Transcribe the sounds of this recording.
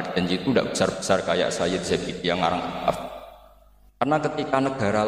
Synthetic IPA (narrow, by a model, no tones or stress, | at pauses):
di̥d͡ʒaɲd͡ʒit̪unda̰ʔb̥ə̥sarb̥ə̤̥sarkaja̰ʔsajad̪isabid̥ijaŋa̰ɾaŋʔat̪a̰f | karnakət̪ikanəɡ̥a̤ɾal